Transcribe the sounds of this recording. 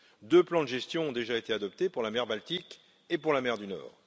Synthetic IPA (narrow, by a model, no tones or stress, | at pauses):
d̪øplɑ̃d̪əʒɛst̪jɔ̃ɔ̃d̪eʒaet̪ead̪ɔp̚t̪epuʁlamɛʁbalt̪ik | epuʁlamɛʁd̪ynɔ̰ːʁ